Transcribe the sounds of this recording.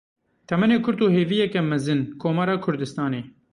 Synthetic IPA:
t̪ʰɛmɛneːkʰʊɾt̪uːheːvijɛkɛmɛzɨnkʰoːmɑːɾɑːkʰʊɾd̪ɨst̪ɑːneː

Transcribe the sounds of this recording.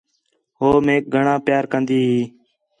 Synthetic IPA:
ɦoːmeːk̚ɡʱəɳãːpjaːɾkənd̪iːɦiː

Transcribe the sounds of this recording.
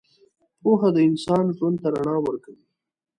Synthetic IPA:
poɦad̪əɪnsɑːnʒwand̪̚t̪aɾaɳɑːwəɾkawi

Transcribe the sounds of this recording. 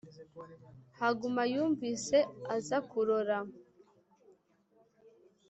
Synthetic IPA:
haɡumajuːɱviːse̞azakuɾoɾa

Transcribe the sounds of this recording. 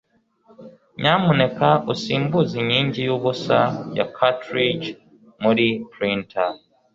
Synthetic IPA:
ɲamune̞kaosiːmbuziɲiːɲɟijoβusaja̰kʰatɾid͡ʒ | mulipɾintʰa

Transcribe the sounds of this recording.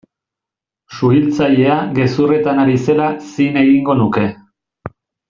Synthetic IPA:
suilt͡saʎe̞aɣe̞sure̞t̪anaɾise̞lasine̞ɣiŋɡo̞nuke̞

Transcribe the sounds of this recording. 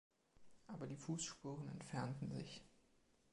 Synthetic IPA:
ʔaːbɐdiːfuːsʃpuːʁənɛ̰ntfɛɐntn̩zɪ̰ç

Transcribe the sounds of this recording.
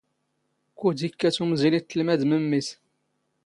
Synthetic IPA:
kud̪ikːæt͡sumzilit̪ːəlmæd̪məmːiθ

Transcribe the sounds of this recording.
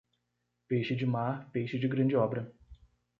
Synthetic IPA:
pejʃɪd͡ʒɪmaɾpejʃɪd͡ʒɪɡɾɐ̃d͡ʒɪɔbɾɐ

